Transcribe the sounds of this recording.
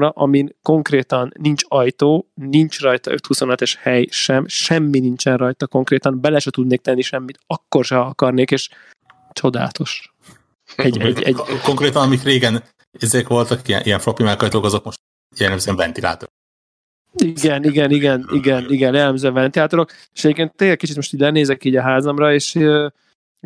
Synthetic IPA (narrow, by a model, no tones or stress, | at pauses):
ɾɒʔɒminko̞ŋkreːt̪ɒnːint͡ʃɒjt̪oːnint͡ʃrɒjt̪ɒ̰ø̰t̪huso̞nɒt̪ɛʃhɛjʃɛmʃɛmːinint͡ʃɛnrɒjt̪ɒko̞ŋkreːt̪ɒnbɛlɛʃɛt̪ud̪neːk̚t̪ɛnːiʃɛmːit̪ɒkːo̞rʃɛɒkɒrneːkeːʃ | t͡ʃo̞d̪a̰ːt̪o̞ʃ | ɛɟɟɛkoŋkɾeːt̪ɒnɒmikreːɡɛn | ezekʋo̞lt̪ɒkiɛ̰nʔijɛɱfɾopimɛkːɒjt̪oːkɒzok̚mo̞ʃt̪ | jɛlːɛmzøɛɱvɛnt̪ila̰ːt̪oɾok | iɡɛniɡɛniɡɛniɡɛniɡɛnjɛlːɛmzɛmvɛnt̪ilaːt̪oɾo̞keʃɛɟeːpkeːnt̪ːeːɡlɛk̚it͡ʃit̪mo̞ʃt̪iːɟʲlɛneːzɛkiːɟɒɦaːzɒmrɒeːʃ